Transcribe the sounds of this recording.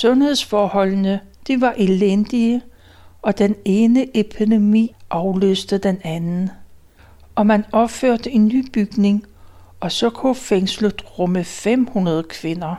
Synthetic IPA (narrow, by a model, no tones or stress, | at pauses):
sɔ̽nhe̝ð̞̰ˠsfɒːhɒ̽l̰nəd̥iʋɑ̈ʔe̝lend̥iə | ʔɒ̽d̥ene̝ːnəʔepʰid̥e̝mḭːʔɑ̈ʊlø̰ːsd̥əd̥enænn̩ | ʔɒ̽mænɒ̽b̥føɐ̰d̥əe̝nːy̰ːb̥yɡ̥ne̝ŋ | ɒ̽sɒ̽kʰofeŋsləðˠʁɔməfem̰hunɐð̞ˠkʰʋe̝nɐ